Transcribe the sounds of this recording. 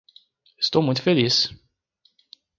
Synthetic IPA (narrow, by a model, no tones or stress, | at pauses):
əst̪owmult̪felis